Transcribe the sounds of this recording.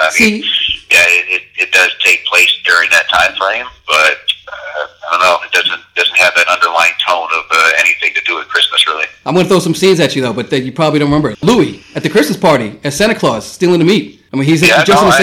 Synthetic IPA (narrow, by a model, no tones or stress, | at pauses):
aɪmisijæɪɾɪt̚ɨt̚d̥ʌz̥tʰeɪk̚pʰl̥eɪsd̥ʊɹɪ̃ŋðɨtʰã̰ɪ̃mfeɪɪ̃mb̥ʌt̚ʌaɪdõʊ̃nːoʊɨt̚d̥ʌzɨ̃nd̥ʌzn̩t̚hɨvðɨɾʌ̃ndə˞lã̰ɪɪ̃ŋtʰõʊ̃nʌvʌɛ̰niθɪ̃ŋtʰɨdɨɨt̚kʰɹ̥ɪsmɨsɹɪlˠiãɪmwʌ̃nəθɹoʊsʌ̃msĩnzɨt͡ʃɨðoʊbʌt̪̚ðɨjɨpʰɹ̥ɑbəblidõʊ̃nɨmɛ̃mbə˞ɨtluiɨt̪̚ðɨkʰɹ̥ɪsmɨspʰɑɹɾiɨsæ̃ɾnɨkʰl̥ɔz̥stilˠɪ̃ŋtɨmit̚ | ɪmizd͡ʒʌstnɨs